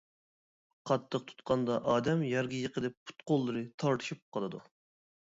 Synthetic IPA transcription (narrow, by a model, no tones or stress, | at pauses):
qʰɑt̪ʰːəq̚t̪ʰu̥t̪̚qʰɑnd̪ɑʔɑːd̪ɛmjɛɾɡʲijəqəd̪ɛp̚pʰːu̥t̪qolˠːɨɾɨt̪ʰɑɾt̪ʰɨ̥ʃup̚qʰɑlˠɨd̪u